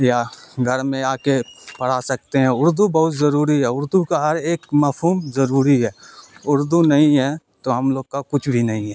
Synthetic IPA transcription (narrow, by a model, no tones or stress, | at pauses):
jaːɡʱɐɾmẽaːkepɐɽ̤asɐkt̪eɦɛ̃ʊɾd̪ubɐɦʊt̪zɐɾuːɾiɦɛːʊɾd̪ukaɦɐɾeːkmɐpʰɦuːmzɐɾuːɾiɦɛːʊɾd̪unɐɦĩɦɛ | t̪oɦɐmloːɡ̚kakʊt͡ʃʰbʱinɐɦĩɦɛː